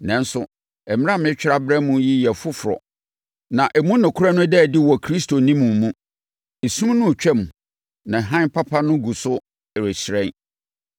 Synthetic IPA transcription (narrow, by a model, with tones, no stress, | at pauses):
nɛ̃˨n˦sʊ˨ | ɛ˨m˦ã˦mɪ̃˦t͡ɕᶣɪ˦ɾa˦bɾɛ˦mũ˦ji˦jɛ˨fʊ˦fʊ˨ɾɔ̰˨ | nã˨ʔɛ˨mũ˦nɪ̃˨kʰʊ˦ɾa˦nʊ̃˦dɛ˦˨dɪ˦wɔ˨kʰɾi˦stʰo˨nĩ˦mũ˨m˨mũ˦ | e˨sũ˦m˦nʊ̃˦˨t͡ɕᶣɛ˦˨m˨ | nã˨ɦã˦npʰa˦pʰa˦nʊ̃˦ɡu˨sʊ˦˨ | ɾe˨ɕɾɛ̃˦n